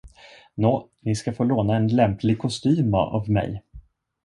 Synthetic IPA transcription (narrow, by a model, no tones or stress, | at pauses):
noːnɪskafoːloːnaɛnlɛmpʰlɪɡ̚kʰʊst̪yːm̰ʔa̰vmɛ̰j